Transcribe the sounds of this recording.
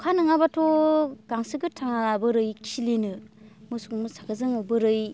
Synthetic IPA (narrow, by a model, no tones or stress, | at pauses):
kʰanɯŋabatʰoɡaŋsɯɡɯtʰaŋaabɯɾɯjkʰilinɯmɯsukmɯsakʰɯzɯŋawbɯɾɯj